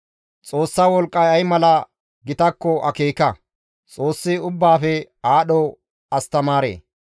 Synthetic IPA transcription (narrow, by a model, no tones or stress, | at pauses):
t͡sʼo̞ːsːaːwɔlkʼːɐjɐjmɐlɐ | ɡɪt̪ɐkːɔʔɐkeːkɐ | t͡sʼo̞ːsːɪʊbːaːfɛ | aːɗɔ | ɐst̪ɐmaːɾḛː